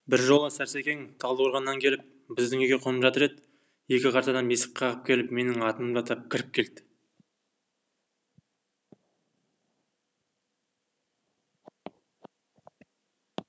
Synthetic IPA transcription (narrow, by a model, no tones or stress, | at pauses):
bɪɾʒo̞lˠəsæɾse̞kʲe̞ŋt̪ʰɑlˠd̪woɾʁɑnːɑŋkʲʰe̞lɪp̚ | bɪzd̪ɪŋeɡʲe̞qʰonəmʒɑt̪əɾe̞d̪ɪ | je̞kʲɪqʰɑɾt̪ɑd̪ɑnbesə̥qʰɑʁəp̚kʲʰe̞lɪpme̞nɪŋɑt̪ənmʒɑt̪ɑp̚kʲʰɪɾɪp̚kʲʰe̞ld̪ɪ̥